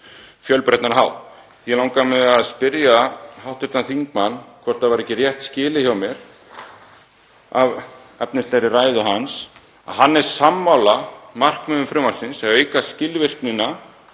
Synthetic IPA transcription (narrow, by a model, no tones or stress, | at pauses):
fjœlpɾɛht̪naɾɦa̰ːw | jɛlawŋkamɛðaðspɪɾjaɦawht̪ʏɾ̥t̪aθiŋk̚manːkʰvɔr̥t̪avaɾɛhcɪrjɛht̪scɪːlɪçawmjɛɾ̥ | a̰v | ɛpnɪst̪ɛjɾɪraːjðʏɦans | a̰ɦanːɛɾ̥samːawlamar̥kmœːðʏmfɾʏmalsɪnsɛðœːɥjkascɪlvɪr̥knɪna